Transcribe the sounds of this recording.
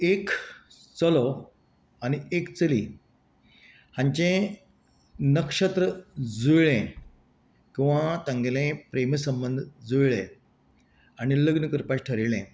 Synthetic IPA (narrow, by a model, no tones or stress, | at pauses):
ek | t͡səlɔ | añiekt͡səlḭ | hãɲt͡ɕẽ | nəkʂət̪ɾəd͡zujɭẽ | kĩw̃ʋãt̪ãŋɡlẽpɾeməsəmbənd̪ʱd͡zujɭɛ̃ | añiləɡnəkəɾpaɕʈʰəɾiɭɛ̃